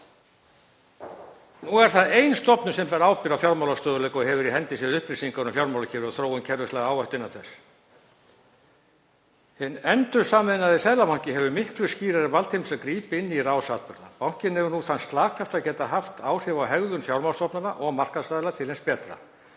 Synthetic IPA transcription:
nuɛɾ̥θaðejnst̪ɔpnʏ̥sɛmpɛɾaːwpɪɾawfjawɾmawlast̪œːðʏlɛkɔɣhɛvʏɾiɦɛnt̪ɪsiːðʏhpɾɪsiŋkaɾnʏfjawɾmawlacʰɛːvʏɾɔθɾoːwʏmcʰɛɾðʏst̪lɛɣaaːwvœht̪ɪnːawθɛsː | hɪnːɛnt̪ʏ̥saːmɪnaðɪsɛðlamawŋ̥cɪɦɛvʏmɪhklʏsciːɾaɾɪvalt̪himsaðkɾiːpɪɪnːiraːwsaːt̪pʏɾða̰pawŋ̥cɪnhɛvʏɾnuθanst̪laːkʰaft̪aðcɛːt̪aɦaft̪aːwr̥ɪvawɦɛɣðʏnfjawɾmalst̪ɔpnʏnaʔɔɣmar̥kaðsaːðlat̪ʰɪlenspɛːt̪ɾa̰

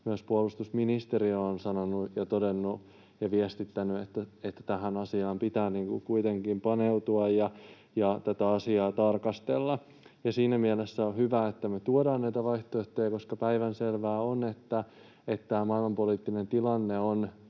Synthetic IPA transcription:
myæspuolust̪usminist̪eɾionsɑnonujɑt̪odenːu | jɑʋiest̪it̪ːænyet̪ːæet̪ːæ̥t̪æhænɑsiɑːmpit̪æːniːŋkukuit̪eŋkimpɑneut̪uɑjjɑ | jɑt̪æt̪æɑsiɑːt̪ɑrkɑst̪elːɑ | jɑsiːnæmielesːæohyʋæet̪ːæmet̪uodɑːnnæit̪æʋɑiht̪oeht̪ejɑkoskɑpæiʋænselʋæːonet̪ːæ | et̪tæːmɑilmɑmpoliːt̪ːinent̪ilɑnːeon

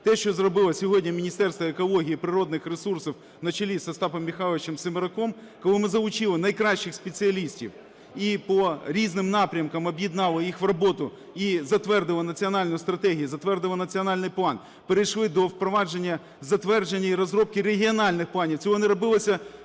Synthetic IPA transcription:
t̪ɛʃt͡ʃɔzrɔbɪlˠɐsʲɔɦɔdʲnʲɐmʲinʲist̪ɛrst̪ʋɔekɔlˠɔɦʲijipɾɪɾɔd̪nɪxresursɔw | nɐt͡ʃɐlʲisɐst̪ɑpɐmːʲixɑlˠʋʲɪt͡ʃɛmsɪmeɾɐkɔm | kɔlˠɪmɪzɐʋʊt͡ʃɪlˠɪnɐjkɾɑʃt͡ʃːɪxspet͡sʲiɐlʲisʲtʲḭw | ipɔɾʲiznɪmnɑpɾʲɐmkɐmɔbʲjɪd̪nɑlˠɐjixʋrɐbɔt̪ʊ | izɐt̪ʋɛrd̪ɪlˠɐnɐt͡sʲiɔnɑlʲnʊjʊst̪ɾɐt̪ɛɦʲijuzɐt̪ʋɛrd̪ɪlˠɐnɐt͡sʲiɔnɑlʲnɪjplˠɑn | peɾejʃlˠɪd̪ɔwpɾɔʋɑd͡ʒenʲːɐ | zɐt̪ʋɛrd͡ʒenʲːɐiɾɔzɾɔp̚kɪreɦʲiɔnɑlʲnɪxplˠɑnʲiwt͡sʲɔɦɔnɪɾɔbɪlˠɐsʲɐ

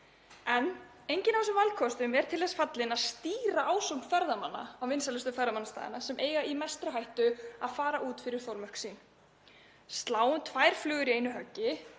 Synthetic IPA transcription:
ɛn | ejɲcɪnavɛsʏmvalkʰɔst̪ʏmvɛɾ̥t̪ʰɪlɛsfat̪lɪnaðst̪iːɾaʔaːwsɔmfɛɾðamanːa̰awvɪnsalʏst̪ʏfœɾðamanast̪a̰ːðɪ̰nːasɛmʔeːjɣaimajst̪ɾʏɦajht̪ʏaðfaːɾaʔuːt̪fɪɾɪɾ̥θowlmœhksin | st̪laːwʏmt̪ʰvaːjɾ̥flʏːɣʏɾieːjnʏɦœcːɪ

